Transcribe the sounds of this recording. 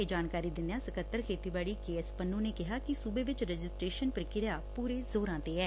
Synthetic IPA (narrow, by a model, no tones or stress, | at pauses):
eːd͡ʒaːnkaːɾiːd̪ɪnd̪ejãːsəkət̪ːəɾkʰeːt̪iːbaːɽiːkeːɛspənːũːneːkɪɦaːkɪsuːbeːʋɪt͡ʃɾəd͡ʒɪsʈɾeːʃənpəɾkɪɾeaːpuːɾeːzoːɾãːt̪eːɛː